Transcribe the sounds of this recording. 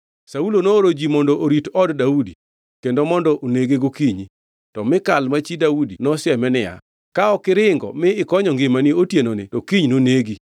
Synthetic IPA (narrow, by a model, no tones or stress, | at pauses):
saulonoːɾod͡ʒimɔndoʔoɾitɔddaudi | kendomɔndɔʔoneɡeɡokiɲi | tɔmɪkalmat͡ʃidaudinɔsjɛmɛnɪja̰ | kaɔkɪɾɪŋɡɔ̰mɪɪkɔɲɔŋɡɪmaniotjenonɪtɔkiɲnoneɡi